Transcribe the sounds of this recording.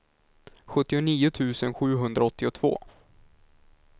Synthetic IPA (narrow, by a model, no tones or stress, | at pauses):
ɧɵt̪ːɪʊniːʊt̪ʰʉ̟ːsənɧʉ̟ːɦɵnd̪ɾaɔt̪ːɪʊt̪ʰv̥o̰ː